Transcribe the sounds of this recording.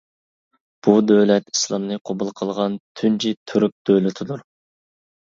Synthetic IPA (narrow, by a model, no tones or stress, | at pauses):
b̥ud̪øwlɛt̪i̥slˠɑmnɨqʰobulˠqʰəlˠʁɑnt̪ʰynt͡ʃʰit̪ʰyɾyk̚d̪̥øwlɪt̪ʰɪd̪uɾ